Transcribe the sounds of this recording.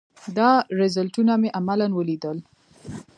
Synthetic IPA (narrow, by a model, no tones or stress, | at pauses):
d̪ɑɾɪzalʈunameʔamalanwəlid̪əl